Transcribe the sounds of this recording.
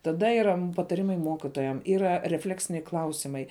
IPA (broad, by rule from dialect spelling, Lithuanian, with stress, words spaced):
tɐˈdɐ iːˈrɐ pɐtɐˈrʲɪmɐɪ ˈmoːkʲɪtoːjɛm ˈiːrɐ rʲɛˈfʲlʲæːksʲɪnʲɛɪ ˈklˠɐʊsʲɪmɐɪ